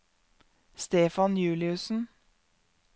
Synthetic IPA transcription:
st̪eːfɑnjʉːlɪʉsn̩

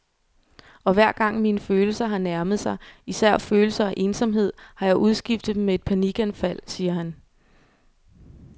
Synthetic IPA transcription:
ɒ̽ʋæɐ̰ɡ̥ɑ̈ŋ̰minəføːl̩sɐɦɑ̈næɐməð̞̩ˠsɑ̈ɪisæɐ̰føːl̩sɐæʔe̝ːnsɒ̽mɦe̝ð̞̰ˠhɑ̈jɑ̈ɪʔuð̞ˠsɡ̥ifd̥ð̩ˠmee̝d̥̚pʰæniɡ̥ænfæl̰siːɐhæn

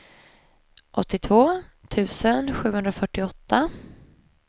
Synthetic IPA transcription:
ʔɔt̪ːɪt̪ʰvoːt̪ʰʉ̟ːsənɧʉ̟ːhɵnd̪ɾafœʈːɪɔt̪ʰːa

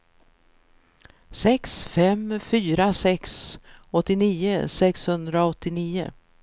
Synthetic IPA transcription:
sɛksfɛmfyːɾasɛksɔt̪ːɪniːʊsɛkshɵnd̪ɾaɔt̪ːɪniːʊ̰

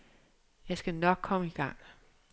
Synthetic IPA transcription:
jɑ̈ɪsɡ̥ænɒ̽ɡ̥̚kʰɒ̽məiɡ̥ɑ̈ŋ̰

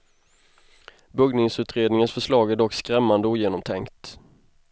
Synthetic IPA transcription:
bɵɡnɪŋsʉ̟ːt̪ɾeːd̪nɪŋənsfœʂlɑːɡæɖɔkːskɾɛmːand̪əuːjeːnɔmt̪ʰɛŋkt̪

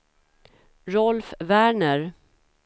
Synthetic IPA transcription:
ɾɔlfvæːɳəɾ

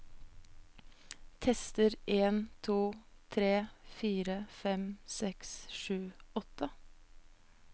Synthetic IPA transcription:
t̪ʰɛst̪əɾʔeːnt̪ʰuːt̪ʰɾeːfiːɾəfɛmsɛksʃʉːɔt̪ə

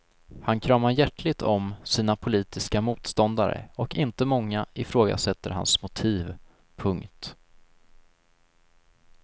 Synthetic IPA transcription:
hankʰɾɑːmaɾjæʈlɪɡ̚t̪ʰɔmsiːnapʰʊliːt̪ɪskamuːt̪st̪ɔnd̪aɾə̰ɔkɪnt̪əmɔŋːaʔɪfɾoːɡa̰sɛt̪ːəɾɦa̰nsmʊt̪ʰiːv | pʰɵŋkt̪

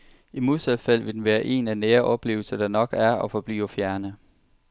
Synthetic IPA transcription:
imoð̰ˠsælˠfæl̰ʋe̝d̥enʋæːɐʔe̝̰ːnæneːɐʔɒ̽b̥le̝̰ːʊl̩sɐd̥ɑ̈nɒ̽ɡ̥æɐɒ̽fɒ̽b̥lḭːɒfjæɐnə

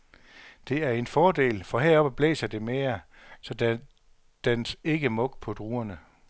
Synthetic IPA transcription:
d̥e̝æɐe̝nfɒːde̝̰ːlfɒ̽ɦeɐ̰ɒ̽b̥æb̥lḛːsɐd̥e̝me̝ːɐ | sɒ̽d | d̥ense̝ɡ̥əmɔ̽ɡ̥̚pʰɒ̽d̥ʁuːɐnə

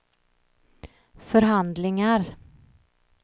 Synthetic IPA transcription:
fœɾɦand̪lɪŋaɾ

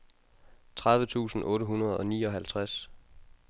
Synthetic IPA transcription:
t͡sʰʁɑ̈ðˠʋət͡sʰṵːsn̩ʔɔ̽ːɾəɦunɐð̞ˠɒ̽nḭːɒ̽ɦælt͡sʰʁas

